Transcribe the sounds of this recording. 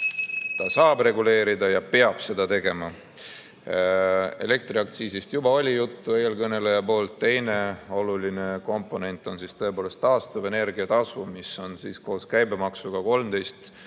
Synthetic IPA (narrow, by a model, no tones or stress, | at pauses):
t̪ɑsɑːbre̞ɡule̞ːɾid̪ɑjɑpe̞ɑb̥se̞d̪ɑt̪e̞ɡe̞mɑ | e̞̰le̞k̚t̪riɑk̚t̪siːsist̪jubɑo̞lʲijut̪ːueelkɤne̞lejɑpo̞ːlt̪ːe̞jne̞o̞luline̞ko̞mpːˑo̞ne̞nt̪ːˑo̞nsist̪ɤ̞epo̞ːle̞st̪ːɑːst̪uve̞ne̞rɡ̥iɑt̪ɑsumiso̞nsiːsko̞ːskæjbe̞mɑksuɡ̥ɑko̞lmd̪̥e̞jst̪